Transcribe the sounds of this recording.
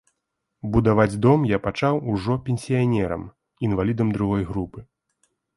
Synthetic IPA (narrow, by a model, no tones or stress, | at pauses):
bud̪avad͡zʲd̪ɔmjapat͡ʂawuʐɔpʲenʲsʲijanʲɛɾɐ̰m | invalʲid̪ɐmd̪ɾuɣɔjɣɾupɨ